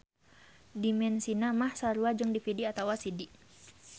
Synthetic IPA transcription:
dimɛnsinamahsaɾuad͡ʒɨŋdifidiat̪awasidiʔ

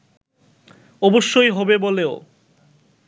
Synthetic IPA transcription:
ɔboʃːojɦɔbeboleo

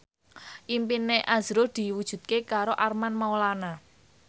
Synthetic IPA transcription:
ʔimpineʔazɾod̪̥i̤wud̥ʒ̥ṳt̪̚kekaɾoʔarmanmaolana

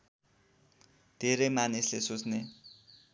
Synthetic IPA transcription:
t̪eːɾeːmanisɮeːsusne

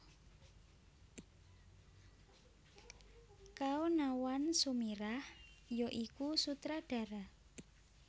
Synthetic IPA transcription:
kaonawansumiɾahjoʔikusut̪ɾaɖ̥a̤ɾa

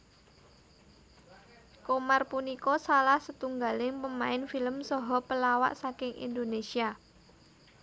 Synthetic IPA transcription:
komarpunikɔsalahsət̪uŋɡalɪŋpəmaɪnfiləmsɔɦɔpəlawa̰ʔsakɪŋḭnd̪onesia

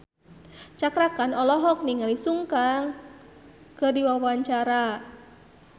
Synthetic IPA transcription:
t͡ʃakɾakanɔlɔɦɔk̚niŋalisuŋkaŋ | kərdiwawaɲt͡ʃaɾa

